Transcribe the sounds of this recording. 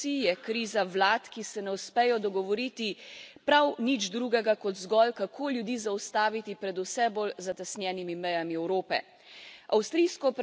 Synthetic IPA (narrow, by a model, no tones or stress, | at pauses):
ijɛkɾiːzawlaːt̪kisɛnɛuspɛjɔd̪ɔɡɔʋɔɾiːt̪ipɾawnid͡ʒd̪ɾuɡɛɡakɔd̪zɡɔlkakʰoːljud̪iːzawst̪aːʋit̪ipɾɛd̪usɛbolzat̪ɛsnjɛːnimimɛjamiɛwɾoːpɛ̰ | awst̪ɾiːskɔp